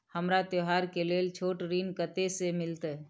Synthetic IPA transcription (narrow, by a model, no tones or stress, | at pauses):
həmɾat̪joɦaɾkeleːlt͡ʃʰoːʈɾinkət̪esemɪlt̪